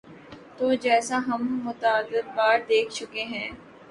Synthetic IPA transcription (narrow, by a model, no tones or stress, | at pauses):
t̪oːd͡ʒɛːsaɦɐmːʊt̪aːd̪ət̪̚baːɾd̪eːkʰt͡ʃʊkeɦɛ̃ː